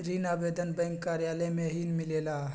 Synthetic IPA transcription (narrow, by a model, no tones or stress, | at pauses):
ɾinaːbeːd̪ənbɛ̃ŋkːaːɾjaːləmẽɦinmɪleːla